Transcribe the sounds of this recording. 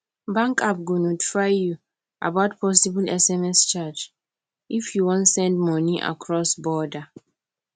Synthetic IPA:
bãŋkap̚ɡunɔti̥faɪju | ʔa̰baʊtpʰɔsibulɛsɛmɛst͡ʃat͡ʃ | ʔifjuwɔ̃ntsɛ̃ndmɔ̃niʔa̰kʰɹɔsbɔda

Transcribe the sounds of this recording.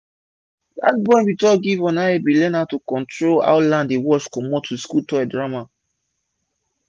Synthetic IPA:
da̰t̚bɔ̃ɪ̃nbitɔɡivɔ̃naebilɛ̃natukɔ̃ntʰɹola̰ʊlãndewɔt͡ʃkɔmotʰːuskutɔɛdɹama

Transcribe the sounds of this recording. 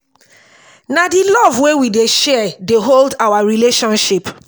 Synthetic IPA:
nadilɔvwewideʃɛdeɦoldawaɹileʃɔ̃nʃip

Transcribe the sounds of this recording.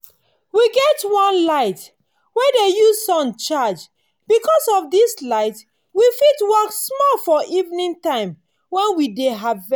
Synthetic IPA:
wiɡɛtwɔ̃nlaɪt | wɛdejuzsɔ̃nt͡ʃad͡ʒ | b̥ikʰɔsɔvdislaɪt | wifitwɔksmɔlfɔʔivnĩŋtãɪ̃m | wɛ̃nwideɦav

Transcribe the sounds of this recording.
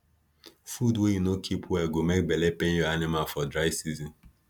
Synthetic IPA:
fudwejunokʰipʰwɛɡomek̚bɛlepẽnjɔanimalfɔdɹaɪsizĩn

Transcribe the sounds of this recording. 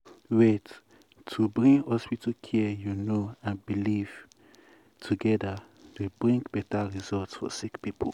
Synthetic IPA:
wetʰː | ubɹĩŋɡɔspitʰukʰɛjunoãnbiliv̥ | tʰuɡɛdə | debɹĩŋkbɛtaɹizɔltsfɔ̰sikpipʰo

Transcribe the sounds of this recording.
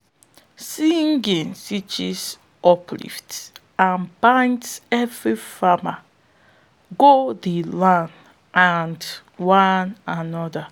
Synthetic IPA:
siŋɡĩnsit͡ʃis | ʔɔplḭft | ãnbãɪ̃ntsɛvɹifama | ɡoðilãn | and | wananɔda

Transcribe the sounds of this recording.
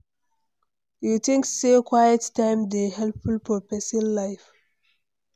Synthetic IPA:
jutĩŋksːekʰwajəttːãɪ̃mdehɛlpfulpɔpɛslːaɪf

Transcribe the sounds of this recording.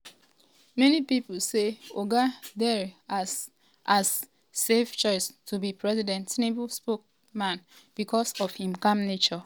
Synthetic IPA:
mɛnipipuseoɡadɛɹi | asː | eft͡ʃɔɪstʰubipɹɛzidɛ̃ntnebspok̚ | mãn | b̥ikʰɔsɔfhĩmkãmnet͡ʃɔ

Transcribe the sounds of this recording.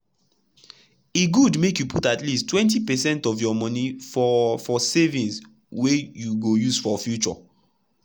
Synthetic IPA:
eɡudmekjupʰutatlistːwɛ̃ntipɛsɛ̃ntɔfjɔmɔ̃nifɔfɔsevĩns | wejuɡojusfɔfjut͡ʃɔ̰

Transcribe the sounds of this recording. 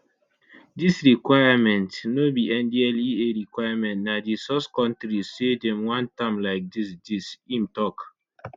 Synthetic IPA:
disɾikwaɪamɛ̃ntnobiʔɛ̃ndialieɾikwajamɛ̃ntnadisɔskɔ̃ntɾisedɛ̃mwãntãmlaɪk̚disdisimtɔk

